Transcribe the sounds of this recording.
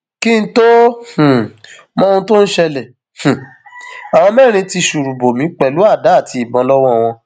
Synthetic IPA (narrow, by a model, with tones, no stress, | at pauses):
ki˦n̩˦to˦h̩˨ | mɔ̃˦˧ũ˧to˦n̩˦ʃɛ˧lɛ˨ | h̩˨ | a˨w̃ɔ̃˧mɛ˦˨ɾ̃ĩ˧ti˧ʃu˨ɾu˨bo˨mĩ˨˦k͡pɛ˨lu˨˦a˦˨da˨˦˨ti˧˦i˨bɔ̃˨˦lɔ˦wɔ̃˦˨w̃ɔ̃˧